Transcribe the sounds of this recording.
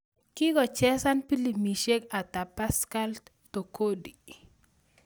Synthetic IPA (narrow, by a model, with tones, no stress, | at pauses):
kɪ˦ɡɔ˨t͡ʃɛ˦sa˦npi˦li˨mi˨ʃe˦ka˨t̪a˨pa˦ska˦lt | to˨ko˦di˨